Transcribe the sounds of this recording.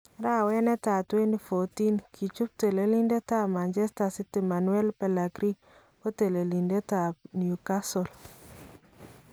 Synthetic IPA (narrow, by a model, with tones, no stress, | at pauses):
ɾa˦wɛ˦nɛ˦ta˨twe˦ni˨fo˨ti˦nkʰi˨t͡ʃu˦p̚te˨le˨li˦nde˦ta˦ma˨nd͡ʒɛ˦sta˨si˦ti˨ma˨nwɛ˦lpɛ˨la˨ɡɾi˦ | o˦te˨le˨li˨nde˦ta˨bni˨u˨ka˦sɔ˨l